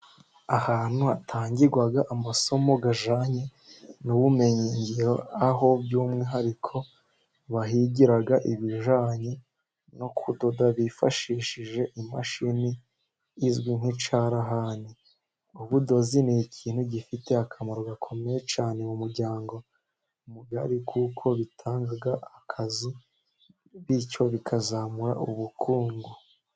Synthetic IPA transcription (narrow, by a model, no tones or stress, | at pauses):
ahaːn̥huatʰaːɲɟiɾɡwaɡaʔamaso̞mo̞ɡaʒaɲe | nuβume̞ɲiɲɟiɾo̞aɦo̞bjuːmŋiɦaɾikʰo̞ | βaɦiɟiɾaɡaʔiβiʒaːɲe | no̞kʰudodaβifa̰ʃiːʃiʒe̞ʔima̰ʃiniː | zɡwiŋ̥hit͡ʃaɾaɦani | uβudo̞zinicʰiːn̥huɟifite̞akʰamaɾo̞ɡakʰo̞me̞jet͡ʃaːne̞mumuɾɟaːŋɡo̞ | muɡa̰ɾikʰukʰo̞βitʰaːŋɡaɡaʔakʰazi | βico̞βikʰazamuɾa̰uβukʰuːŋɡu